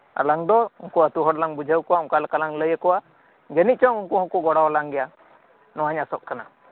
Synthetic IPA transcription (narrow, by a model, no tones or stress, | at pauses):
a̰laŋd̪ɔunkuət̪uɦɔɽlaŋbud͡ʒʱawkɔwauŋkalkalaŋləjəkɔwa | d͡ʒənit͡ʃɔŋuŋkuɦɔkuɡɔɽawlaŋɡɛja | nɔwaɲasɔʔkana